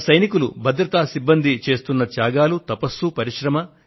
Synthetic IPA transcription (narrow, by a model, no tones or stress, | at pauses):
sɐjnikulubɐd̪ɾɐt̪aːsibːɐnd̪it͡ʃe̞ːst̪unːɐt͡ʃ̪jaːɡaːlut̪ɐpɐsːupɐɾiʃɾɐmɐ